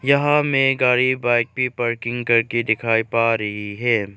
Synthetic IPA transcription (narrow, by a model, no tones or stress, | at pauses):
jɐɦãmẽɡaːɽibaːɪk̚pipɐɾkɪ̃ŋɡkɐɾked̪ɪkʰaːipaːɾɐɦiɦɛː